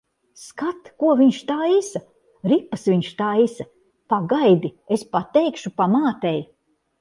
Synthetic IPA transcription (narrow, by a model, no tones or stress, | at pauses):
skat̪kuɔviɲʃt̪aːisa | ɾipːɐsviɲʃt̪aːisɐ | paɡajd̪iespat̪ɛjkʃupamaːt̪ɛj